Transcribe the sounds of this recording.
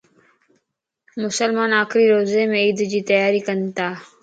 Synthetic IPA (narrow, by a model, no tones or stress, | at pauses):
mʊsəlmaːnaːkʰɾiːɾoːzeːmẽːiːd̪d͡ʒiːt̪əjaːɾiːkənt̪aː